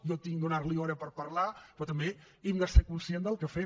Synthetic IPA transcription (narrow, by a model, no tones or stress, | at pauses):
jɔt̪iŋd̪unarliɔɾəpəɾpəɾlapɾɔt̪əmbe | imɡ̪əsekunsiend̪əlˠkəfe